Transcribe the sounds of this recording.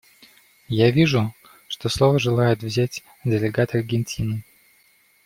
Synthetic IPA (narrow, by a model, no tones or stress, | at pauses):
javʲiʐʊ | ʂt̪oslˠovəʐɨlˠajɪt̪vzʲætʲ | dʲɪlʲɪɡat̪ərɡʲɪnʲtʲʰinɨ